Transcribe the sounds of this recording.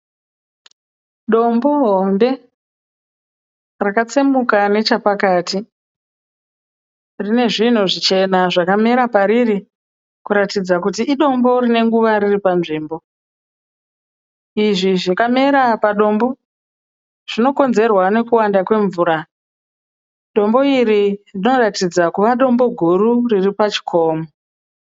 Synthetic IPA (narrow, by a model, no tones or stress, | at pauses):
ɗo̞mbo̞ɦombe̞ | rakat͡semukane̞t͡ʃapakati | rine̞ʐin̤uʐit͡ʃe̞naʐakameɾapaɾiri | kuɾatid͡zakut̬iʔːɗo̞mbo̞rine̞ŋɡuʋaɾiripanʐiːmbo | iʐiʐakameɾapaɗo̞mbo̞ | ʐ̥ino̞ko̞nze̞rwane̞kuwandakwe̞ɱvuːɾa | ɗo̞mbo̞iɾirino̞ratid͡zakuʋaɗo̞mbo̞ɡʱuɾuriripat͡ʃi̥kʰo̞ːmo